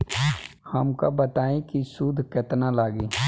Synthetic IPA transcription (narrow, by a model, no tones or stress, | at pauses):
hɐmka̰bɐt̪aːẽkisud̪ʱkɛt̪nalaːɡiː